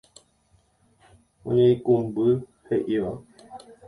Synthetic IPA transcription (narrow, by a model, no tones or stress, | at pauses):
õ̰ɲẽĩkũmbɨ | heʔiʋa